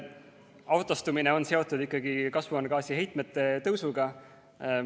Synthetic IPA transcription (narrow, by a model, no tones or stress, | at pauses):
ɑwt̪ːˑɑst̪umine̞o̞nse̞o̞t̪ːˑud̪ikːˑɑɡikɑsvuɑnɡ̥ɑːsiɦe̞jt̪ˑmet̪ːˑe̞t̪ɤwsuɡɑ